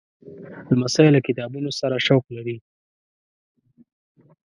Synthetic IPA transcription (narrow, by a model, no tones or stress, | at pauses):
ləmasɑjɪlːakɪt̪ɑbunosaɾaʃawklaɾi